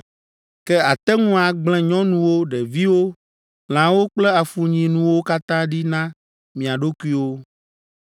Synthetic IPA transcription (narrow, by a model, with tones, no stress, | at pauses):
kɛ˦a˨t̪ɛ˦ŋũ˦a˨ɡ͡blɛ̃˦ɲɔ̃˦nũ˦wo˦ɖɛ˨vi˦wo˦ | l̃ã˨wo˦k͡plɛ˦a˨fu˨ɲĩ˨nũ˦wo˦ka˦t̪ã˦ɖi˦nã˦ | mĩ˨a˨ɖo˦ku˦i˦wo˦